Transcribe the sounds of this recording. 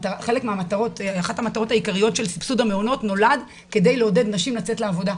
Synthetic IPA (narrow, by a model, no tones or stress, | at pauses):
taaχelekmeamataʁo̞taχathamat̪aʁo̞tajikaʁijo̞tʃe̞lsi̥psudhameono̞tno̞lad | ke̞de̞jleo̞de̞dnaʃimlat͡se̞tleavo̞da